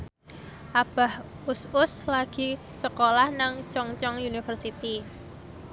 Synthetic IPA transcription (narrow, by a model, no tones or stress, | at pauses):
ʔab̥a̤h | usʊslaɡ̥i̤ | səkolahnaŋt͡ʃɔŋt͡ʃɔŋjunifərsit̪i